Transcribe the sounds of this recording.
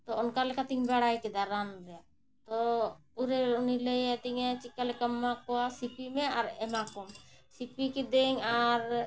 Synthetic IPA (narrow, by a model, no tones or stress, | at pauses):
t̪ɔɔnkalɛkʰat̪iŋbɛɽajkɛd̪aɾanɾɛja | t̪ɔuɾeunilejɛt̪iŋet͡ʃikːalɛkəmːakɔasipimeaɾɛmakɔmsipikid̪eŋaɾ